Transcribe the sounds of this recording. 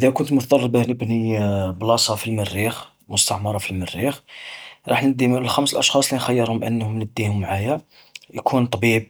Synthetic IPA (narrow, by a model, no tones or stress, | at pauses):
d̪ækʊnt̪mʊt̪d̪ˤɑrˤːɑbahnəbniblɑsˤɑfilmərːix | mʊst̪ɑʕmɑɾˤɑfilmərːixɾˤɑ̰ħnəd̪ːimləlxæmsəlʔɑʃxɑsˤlinxæjːəɾhʊmʔə̰nːhʊmnəd̪ːihʊmːʕajæ | jkʰunt̪ˤbib̚